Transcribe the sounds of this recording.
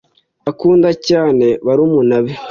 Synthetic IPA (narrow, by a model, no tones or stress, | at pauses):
akuːndacaːne̞βaɾumunaβe